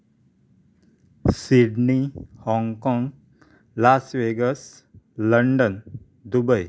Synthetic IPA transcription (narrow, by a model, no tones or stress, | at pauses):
siɖnihɔŋɡkɔ̃ŋɡ | lasʋeɡəs | ləɳɖən | d̪ubəj